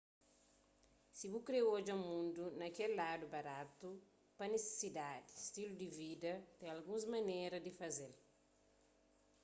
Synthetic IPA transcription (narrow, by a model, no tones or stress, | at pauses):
sibukɾewod͡ʒɐmũnd̪unɐkɛlːad̪ubɐɾat̪u | pɐnese̥sid̪ad̪ist̪ilud̪ivid̪ɐt̪ɛ̃ɐlɡũzmɐneɾɐd̪ifɐzel